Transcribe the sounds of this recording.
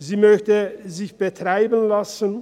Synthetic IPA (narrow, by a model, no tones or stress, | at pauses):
ziːmœçtəzɪçb̥ətʁ̥aɪbənlasən